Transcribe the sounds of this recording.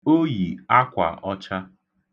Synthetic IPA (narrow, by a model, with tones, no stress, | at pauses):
o˦ji˨a˦kʷa̰˨ʔɔ˦t͡ʃa˦